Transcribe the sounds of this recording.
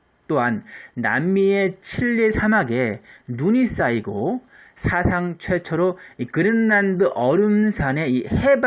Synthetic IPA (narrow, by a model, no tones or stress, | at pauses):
t͈oɦanːa̰mːie̞t͡ɕʰiʎːisʰamaɡe̞nuɲis͈aiɡo | sʰasʰaŋt͡ɕʰwe̞t͡ɕʰʌɾoikɯɾɯnːandɯʔʌɾɯmsʰane̞ihe̞b